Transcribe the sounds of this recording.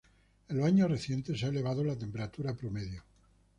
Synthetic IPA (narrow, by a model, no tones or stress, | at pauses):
elβaɲore̞θje̞nt̪e̞seaele̞βað̞olat̪e̞mpe̞ɾat̪uɾapɾo̞me̞ðjo